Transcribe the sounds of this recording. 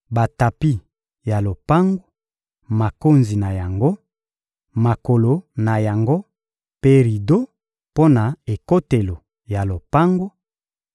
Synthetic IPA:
ba˨ta˨pi˦ | ja˨lo˨pa˦ŋɡo˦ | ma˨ko˦nzi˨na˨ja˨ŋɡo˦ | ma˨ko˨lo˨na˨ja˨ŋɡo˦ | pe˦ʁi˨do˦ | po˦na˨e˨ko˦te˨lo˨ | ja˨lo˨pa˦ŋɡo˦

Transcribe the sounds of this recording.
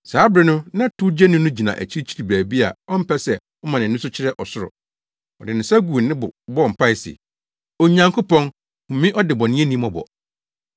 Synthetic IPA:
saː˨˦bɾɪ˦nʊ̃˦nã˦tʰu˦d͡ʑɛ˦nʊ̃˦nʊ̃˦d͡ʑi˨nã̰˨ʔæ̰˨t͡ɕʰi˦ɾi˦t͡ɕʰi˦ɾi˨bæː˨bi˦a̰˨ɔ˦m̩˦pʰɛ˦sɛ˨ | ɔ˦mã˨nɪ̃˨˦ʊ̃˦sʊ˦t͡ɕʰɪ˦ɾɛ˦ʔɔ˨sʊ˦ɾʊ̰˨ | ɔ˨dɪ˨nɪ̃˨sa˦ɡu˨nːɪ̃˦bʊ˨bɔ˦˨m̩˨pʰa˦ɪ˨sɪ̰˨ | ɔ˨ɲã˨ŋkʰʊ˦pɔ̃˦n | hʊ̃˨mĩ˦ʔɔ˦dɪ˨bɔ˨nɪ̃˦e˦nĩ˦mɔ̃˦bɔ̰˨

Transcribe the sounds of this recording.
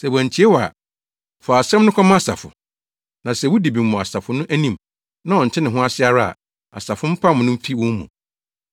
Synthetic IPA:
sɛ˨wæ̃˨ɲ˨t͡ɕʰi˨˦e˦wɔ˨a̰˨ | fɔ˨a˨sɛ̃˦m˦nʊ̃˦kʰa˦mã˦a˨sa̰˨fʊ̰˨ | nã˨sɛ˦˨wʊ˦di˨bi˨mʊ̃˨a˨sa˨fʊ˨nʊ̃˦ʔæ˦nĩ˦m | nã˦ɔ˨n̩ʰ˨ɪ˦nɪ̃˨ɦʊ̃˦a˦sɪ˦a˨ɾa˦a̰˨ | a̰˨sa˨fʊ̃˦m̩˦pʰa˦mʊ̃˨nʊ̃˦m̩˦fʰi˦wʊ̃˦mṵ̃˨

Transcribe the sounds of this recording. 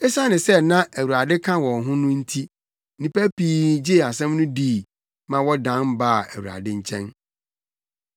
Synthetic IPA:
ɛ˦sa˦nɪ̃˨sɛ˦nã˦ʔæ˨wu˨ɾa˨dɪ˦kʰã˦wɔ̃˨nɦʊ̃˦nʊ̃˦n̩˦tʰi˦ | nĩ˨pæ˦piː˦d͡ʑi˦˨a˨sɛ̃˦mnʊ̃˦diː˦˨ | mã˨wɔ˦dã˦nbaː˦˨æ˨wu˨ɾa̰˨dɪ˦ɲ̩˦t͡ɕʰɛ̃˦n

